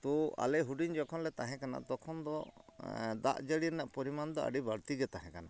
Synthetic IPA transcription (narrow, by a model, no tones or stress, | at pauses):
t̪ɔa̰lɛɦuɖiɲd͡ʒɔkʰɔnlɛt̪aɦɛ̃kana̰ʔt̪ɔkʰɔnd̪ɔ | d̪a̰ʔd͡ʒəɽiɾɛnaʔpɔɾimand̪ɔə̰ɖibaɽt̪iɡɛt̪aɦɛ̃kanaʔ